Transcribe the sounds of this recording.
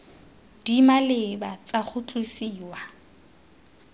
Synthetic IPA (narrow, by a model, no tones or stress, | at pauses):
d̥imalɪbat͡sʼaχʊtʰʼusiːwa